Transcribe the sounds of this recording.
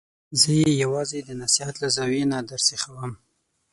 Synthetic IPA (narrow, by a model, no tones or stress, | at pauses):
zəjejawɑzed̪ənasihat̪lazɑwenad̪aɾsexawəm